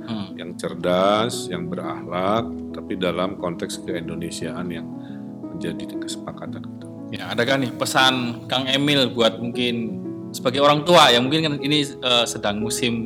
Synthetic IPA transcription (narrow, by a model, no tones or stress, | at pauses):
jaŋt͡ʃərdasjaŋbəra̰hlak̚t̪apidalamkɔnt̪ɛkskəindonesiaːnjaŋ | mənd͡ʒadikə̥sə̥pakat̪ankit̪u | jaːdakahnɪhpəsankaŋemɪlbuat̪̚muŋkɪn | səbaɡajoɾaŋt̪uajamuŋkɪnkaniniəsədaŋmusɪm